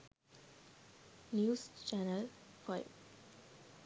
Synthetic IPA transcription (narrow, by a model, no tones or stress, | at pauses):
njuːst͡ʃænəlfaɪʋ